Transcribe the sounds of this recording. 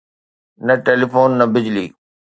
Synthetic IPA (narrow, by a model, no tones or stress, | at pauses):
nɐʈeːlifoːnːɐbɪd͡ʑlḭː